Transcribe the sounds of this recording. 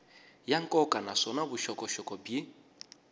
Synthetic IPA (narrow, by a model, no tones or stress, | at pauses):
jaŋ̩kʼɔkʼanasɔnabʊʃɔkʼɔʃɔkʼɔbi